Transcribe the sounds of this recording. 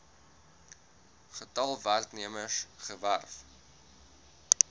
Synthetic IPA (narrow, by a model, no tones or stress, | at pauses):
χətɐlˠværkniəməsχəvæ̰rf